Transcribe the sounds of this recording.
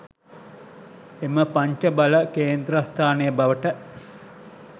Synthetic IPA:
eməpaɲt͡ʃəbaləkeːnd̪ɾast̪ʰaːnejəbaʋəʈə

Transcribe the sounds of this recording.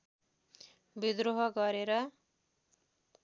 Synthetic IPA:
bid̪roɦʌɡʌɾeɾʌ

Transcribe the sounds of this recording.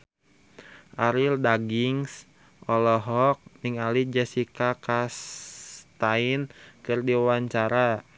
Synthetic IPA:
ʔaɾildaɡiŋs | ʔɔlɔɦɔk̚nɪŋalid͡ʒɛsikakas | t̪ainkɨrdiwaɲt͡ʃaɾa

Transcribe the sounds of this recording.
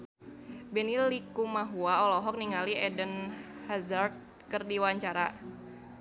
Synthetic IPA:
bɛnilikumaɦuaɔlɔɦɔk̚niŋaliɛdənhazart̪̚kərdiwaɲt͡ʃaɾa

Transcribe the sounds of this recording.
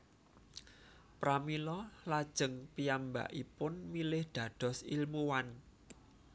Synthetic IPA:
pɾamilɔlad̥ʒ̥ə̤ŋpiamba̰ʔipʊnmilɪhd̪̥ä̤d̪̥ɔ̤silmuwan

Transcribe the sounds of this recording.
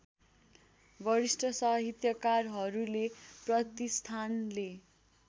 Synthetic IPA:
bʱʌɾisʈʌsʌɦit̪jʌkarɦʌɾuleprʌt̪ist̪ʰanle

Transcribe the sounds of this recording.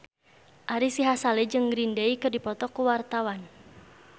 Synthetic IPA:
ʔaɾisiɦasalɛd͡ʒɨŋɡɾindeikɨrdipɔt̪ɔkuwart̪awan

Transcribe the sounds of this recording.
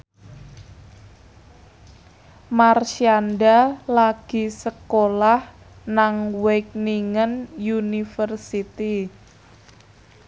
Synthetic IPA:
marʃianɖalaɡ̥i̤səkolah | naŋwek̚niŋənjunifərsit̪i

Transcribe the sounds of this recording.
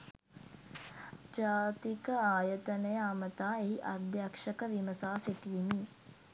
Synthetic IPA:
d͡ʒaːt̪ikəaːjət̪ənəjəamət̪aːeɦiʔad̪jakʂəkəʋiməsaːsiʈiːmi

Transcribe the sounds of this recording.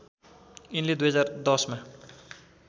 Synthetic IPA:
inled̪ujɦʌd͡zard̪ʌsma

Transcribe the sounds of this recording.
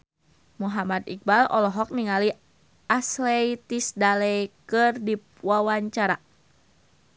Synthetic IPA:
muɦamat̪ik̚balɔlɔɦɔk̚niŋali | ʔasleit̪isdalɛkɨrdip̚wawaɲt͡ʃaɾa

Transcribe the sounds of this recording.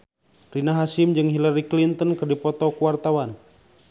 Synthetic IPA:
rinaɦasimd͡ʒɨŋɦilaɾiklint̪ɔnkɨrdipɔt̪ɔkuwart̪awan

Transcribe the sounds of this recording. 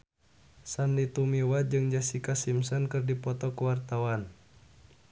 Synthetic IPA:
sanlit̪umiwat̚d͡ʒɨŋd͡ʒasikasimsɔnkɨrdipɔt̪ɔkuwart̪awan

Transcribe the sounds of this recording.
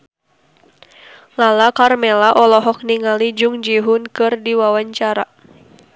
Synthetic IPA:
lalakarmɛlaʔɔlɔɦɔk̚niŋalid͡ʒʊŋd͡ʒiɦʊnkɨrdiwawaɲt͡ʃaɾa

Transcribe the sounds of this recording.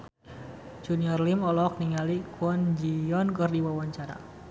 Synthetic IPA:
d͡ʒuniɔrlimɔlɔk̚niŋalikwɔnd͡ʒijɔnkərdiwawaɲt͡ʃaɾa̰

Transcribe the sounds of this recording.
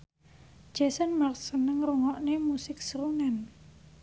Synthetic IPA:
d͡ʒ̥asənmarsənəŋruŋɔʔnemusɪksəɾuŋan

